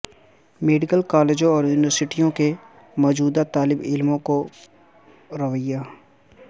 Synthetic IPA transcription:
meːɖɪkəlkaːleːd͡ʒõɔːɾjuːnɪʋəɾsɪʈijõke | mɔːd͡ʒuːd̪at̪aːlɪbɪ̰lmõko | ɾɐʋəjːaː

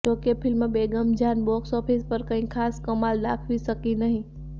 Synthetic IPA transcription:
tokepʰɪlmebeːɡəmd͡ʒʱaːnbɔksɔːpʰispəɾkəɦĩkʰaːskəmaːld̪aːkʰʋisəkinəɦĩ

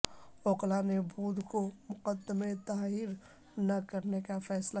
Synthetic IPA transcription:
oːqlaːnebʱuːd̪ʱkomʊqəd̪ːəmet̪aːɦiɾ | nɐkɐɾnekafɛːsla

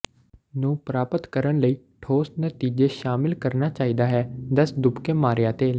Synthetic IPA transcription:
nũːpɾaːpət̪kəɾənləiː | ʈʰoːstnət̪iːd͡ʒeːʃaːmɪlkəɾnaːt͡ʃaːiːd̪aːɦɛːd̪əsd̪ʊpkeːmaːɾjaːt̪eː

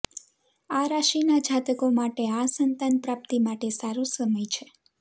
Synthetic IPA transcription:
aɾaʃinad͡ʒat̪əkomaʈeasənt̪anpɾap̚t̪imaʈesaɾusəməjt͡ʃʰe

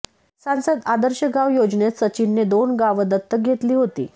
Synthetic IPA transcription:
sansəd̪ad̪əɾɕəɡaʋjod͡ʑɳet̪sət͡ɕinːed̪onɡaʋəd̪ət̪ːək̚ɡʱet̪liːɦot̪ḭː

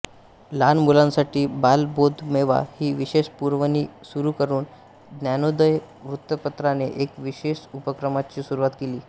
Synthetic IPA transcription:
lanmulãnsaʈiːbalbod̪ʱmeʋa̰hiːʋiɕeɕpuɾʋəniːsuɾuːkəɾuːn | d̪njanod̪əj | ʋɾut̪ːəpət̪ɾaneʔekʋiɕeɕupəkɾəmat͡ɕiːsuɾuʋat̪keliː

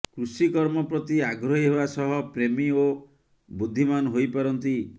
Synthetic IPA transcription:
kɾusikɔɾmɔpɾɔt̪iaɡɾɔɦiɦebasɔɦɔpɾemio | bud̪ʱːimanɦojpɔɾɔnt̪i

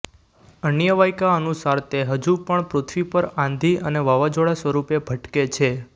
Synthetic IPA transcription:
ənjəʋajkaənusaɾt̪eɦəd͡ʒupəɳpɾot̪ʰʋipəɾãnd̪ʱiəneʋaʋad͡ʒoɭasʋəɾupebʱəʈket͡ʃʰe

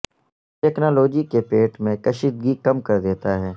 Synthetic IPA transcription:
ʈɛːknaːloːd͡ʒikepeːʈmẽkɐʃiːd̪̚ɡikɐmkɐɾd̪eːt̪aɦɛː

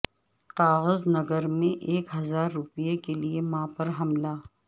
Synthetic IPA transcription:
qaːɣəznɐɡəɾmẽʔeːkɦɐzaːɾːʊpijekeliemãːpɐɾɦɐmlaː

